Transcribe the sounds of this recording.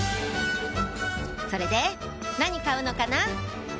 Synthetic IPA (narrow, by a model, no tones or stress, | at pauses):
so̞ɾe̞d̪e̞ | naɲ̟ikaɯ̟no̞kana